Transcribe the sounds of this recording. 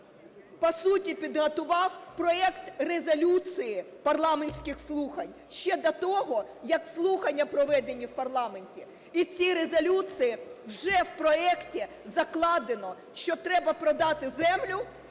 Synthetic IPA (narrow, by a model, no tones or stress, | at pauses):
pɐsutʲipʲid̪ɦɐt̪ʊʋɑwpɾɔɛkt̪rezɐlʲut͡s̪ijɪpɐrlˠɑmenʲsʲkɪxslˠuxɐnʲ | ʃt͡ʃɛd̪ɐt̪ɔɦɔ | jɐkslˠuxɐnʲːɐpɾɔʋɛd̪enʲːiwpɐrlˠɑme̞nʲtʲi | it͡sʲiɾezɔlʲut͡s̪ijiwʒɛwpɾɔɛktʲi | zɐklˠɑd̪ɪnɔ | ʃt͡ʃɔt̪ɾɛbɐpɾɔd̪ɑt̪ɪzɛmlʲʊ